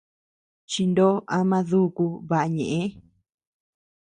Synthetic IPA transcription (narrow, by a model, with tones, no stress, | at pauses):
t͡ʃi˧nd̪o˦a˧mã˧ðu˦˧ku˧βa˧ʔa˧ɲẽ˨ʔẽ˦